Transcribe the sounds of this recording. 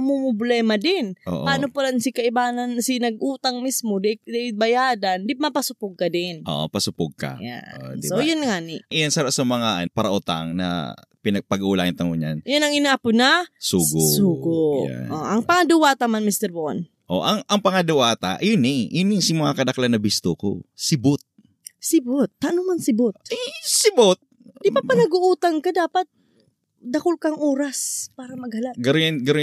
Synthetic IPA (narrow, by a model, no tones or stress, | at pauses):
ɐmʊmʊblɛmɐd̪ɪnʔo̰ːʔpaːnopɐlansɪkɐʔɪbaːnɐnsɪnɐɡ̚ʔuːt̪aŋmismod̪ɪd̪ɛɪbɐjaːd̪and̪ɪmɐpɐsʊpʊɡ̚kɐd̪ɪnʔo̰ʔo̰pɐsʊpʊɡ̚ka̰ja̰od̪iojʊnŋaːnɪʔʔjansɐɾasɐmɐŋapaɾɐʔʊt̪a̰ŋnɐ̰ | pɪnɐɡ̚pɐɡuːlaʔɪnt̪ɐŋʊɲanjʊnɐŋɪnaːpʊnɐsuːɡosuːɡoja̰ʔoʔɐŋpɐŋɐd̪ʊwaːt̪ɐmanmist̪ɛɾbon | ʔo̰ʔɐŋɐŋpɐŋɐd̪ʊʔaːt̪a̰ʔjʊnɪŋjʊnɪŋsimɐŋakɐd̪ɐklanːɐbist̪oko̰sɪbʊt̪̚ | sɪbot̪̚ːaʔnʊmansɪbot̪̚ɛsɪbot̪̚d̪ipapɐnɐɡʊʔuːt̪ɐŋkɐd̪aːpɐt̪̚ | d̪ɐkʊlkɐŋʔoːɾɐspaːɾɐmɐɡ̚hɐlaɡɐɾonɡɐɾo